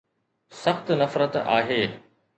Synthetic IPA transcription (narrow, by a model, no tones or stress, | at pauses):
sɐxt̪nɐfɾət̪a̰ːɦeː